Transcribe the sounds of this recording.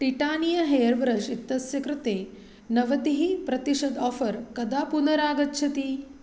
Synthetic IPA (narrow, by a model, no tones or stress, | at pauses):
ʈiʈaːnijɐɦeːɐɾʋɾɐʃit̪ːɐsjɐkɾɪt̪eː | nɐʋɐd̪iɦipɾɐt̪iʂɐd̪ɔːfɐɾkɐd̪aːpunɐɾaːɡɐtːʃʰɐt̪i